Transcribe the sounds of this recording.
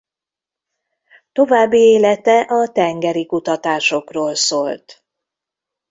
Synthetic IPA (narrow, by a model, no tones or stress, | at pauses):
t̪o̞vaːbːieːlɛt̪ɛʔɒt̪ɛŋɡɛɾikut̪ɒt̪aːʃo̞kroːlsoːlt̪